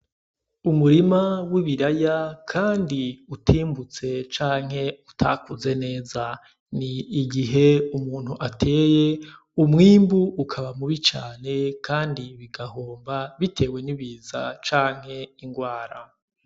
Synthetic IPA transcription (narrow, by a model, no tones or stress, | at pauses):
umuɾimawiβiɾajakʰaːndiutʰiːmbut͡se̞t͡ʃaːŋ̥he̞utʰa̰kuze̞ne̞ːza | niːɡiɦe̞umuːn̥huʔatʰe̞ːje̞ | umŋiːmbuːkʰaβamuβit͡ʃaːne̞kʰaːndiβiɡahoːmbaβitʰe̞ːwe̞niβiːza̰t͡ʃaːŋ̥he̞iŋɡwaːɾa